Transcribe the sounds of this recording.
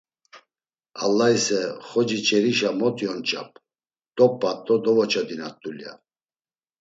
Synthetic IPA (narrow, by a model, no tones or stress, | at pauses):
a̰lːaisɛχɔd͡ʒit͡ʃʰʼɛɾiʃamɔt̪ʰʼjɔnt͡ʃʼa̰pʰʼ | d̪̥ɔpʼːat̪ʼɔd̪ɔvɔt͡ʃʰad̪inat̪ʼːulja̰